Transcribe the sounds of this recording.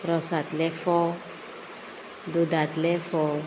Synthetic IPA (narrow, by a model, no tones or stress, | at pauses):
ɾɔsat̪lɛfɔ | d̪ud̪at̪lɛfɔ